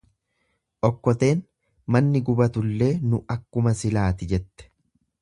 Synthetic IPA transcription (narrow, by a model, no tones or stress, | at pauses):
ʔɔkːɔt̪e̞ːn | mɐnːɪɡʊbɐt̪ʊlːe̞ːnʊɐkːʊmɐsɪlaːt̪ɪd͡ʒɛt̪ːɛ̥